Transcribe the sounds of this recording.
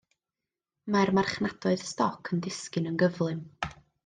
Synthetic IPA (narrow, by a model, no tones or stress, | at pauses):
marmarχnad̥ɔɨð̥stɔkʰəndɪskɨnənɡəvlˠɨm